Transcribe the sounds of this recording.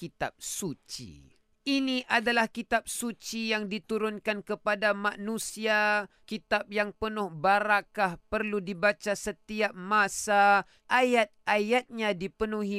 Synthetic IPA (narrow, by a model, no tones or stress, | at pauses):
kit̪a̰p̚sut͡ʃḭ | ʔiniʔadalahkit̪ap̚sut͡ʃijaŋdit̪uɾʊnkankəpadamanusia | kit̪ap̚jaŋpənʊhbaɾakahpərludibat͡ʃasət̪iap̚masa | ʔajat̪̚ajat̪̚ɲadipənuɦi